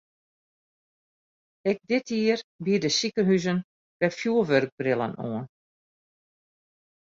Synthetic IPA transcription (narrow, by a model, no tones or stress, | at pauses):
ɛɡ̚dɪtʰiərbidəsikəɦyzən | b̥ɛfjuːʋørɡ̚brɪlˠə̰no̰ən